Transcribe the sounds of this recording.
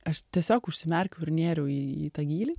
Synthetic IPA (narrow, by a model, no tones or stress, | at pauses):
ɐʃt̪ʲiɛsʲoːkʊʃʲsʲɪmʲɛɾʲkʲʊʊɾʲnʲeːɾʲɛʊiːḭːt̪ɐɡʲiːlʲi